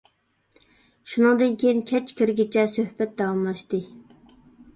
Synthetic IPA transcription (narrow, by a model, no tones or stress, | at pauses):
ʃunɨŋd̪ɨnkʲʰejinkʲʰɛt͡ʃkʲʰiɾɡʲit͡ʃʰɛsøhbɛt̪̚d̪ɑwɑmlˠɑʃt̪ɨ